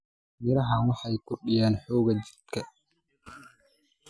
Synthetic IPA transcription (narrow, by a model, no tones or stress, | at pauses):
mɪɾɐɦawɑħɑjkʊrɗɪjaːnħɔːɣɐd͡ʒɪ̥t̪kʰɐ